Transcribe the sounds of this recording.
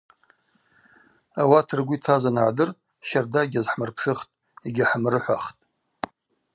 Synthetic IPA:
awatʰɨrɡʷitʰazanʕadɨr | ʃardaɡʲazħmɨrpʰʂɨχtʼ | eɡʲaħmrɨħʷaχtʼ

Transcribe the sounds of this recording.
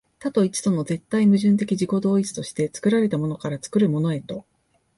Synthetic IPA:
t̪at̪o̞it͡ɕi̥t̪o̞no̞ze̞t̪ːaimɯ̟ʑɨ̃nt̪̬e̞kʲiʑiko̞d̪o̞ːit͡sɨ̥t̪o̞ɕi̥t̪e̞t͡sɨ̥kɯ̟ɾaɾe̞t̪amo̞nokaɾat͡sɨ̥kɯ̟ɾɯ̟mo̞no̞e̞t̪o̞

